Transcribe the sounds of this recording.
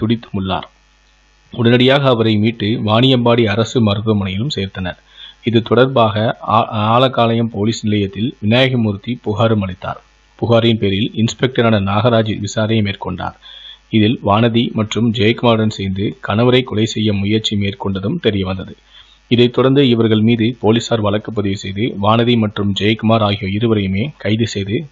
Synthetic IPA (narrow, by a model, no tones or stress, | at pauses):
t̪ʊɽɪt̪ːɯmʊɭːa̰ːɾ | ʊɽɐnɐɽɪjaːɣɐːʋɐɾɐɪmiːʈːɯʋaːnɪjɐmbaːɽiɐɾɐsɯmɐɾɯðɯmɐnɐjɪlɯmseːɾt̪ːɐnɐɾ | ɪðɯt̪ːɔɽɐɾbaːɣɐaːlɐkːaːlɐjɐmpoːliːsnɪlɐjɐt̪ːɪlʋɪnaːjɐɣɐmʊɾt̪ːipʊɣaːɾɯmɐɽɪt̪ːa̰ːɾ | pʊɣaːɾɪnpeːɾɪlɪnspɛk̚ʈɐɾaːnɐnaːɣɐɾaːd͡ʒɪʋɪsaːɾɐmeːrkɔɳɖa̰ːɾɪðɪlʋaːnɐðimɐʈrɯmd͡ʒejɐkʊmaːɾɯɽɐnsɛjnd̪ɯkɐnɐʋɐɾɐɪkːɔlɐɪsɛjːɐmʊjɐɾt͡ʃimeːrkɔɳɖɐðɯmt̪ɛɾɪjɐʋɐnd̪ɐðɯ | ɪðɐɪt̪ːɔɽɐɾnd̪ɯɪʋɐɾɣɐɭmiːðɯpoːlɪsaːɾʋɐɭɐkːɐp̬ːɐðɪʋɪsɛjðɯʋaːnɐðimɐʈrɯmd͡ʒɛjkʊmaːɾaːɣɪjoːɪɾɯʋɐɾɐjɯmeːkɐɪðɯsɛjðɯ